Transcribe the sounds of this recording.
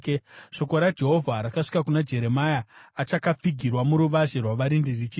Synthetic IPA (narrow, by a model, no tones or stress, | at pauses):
ʃo̞ko̞ɾad͡ʒe̞ɦo̞vʱaɾakaʂi̥kakunad͡ʒe̞ɾe̞majaːt͡ʃakap͡fiɡʱirwamuɾuʋaʒerwaʋaɾindirit͡ʃi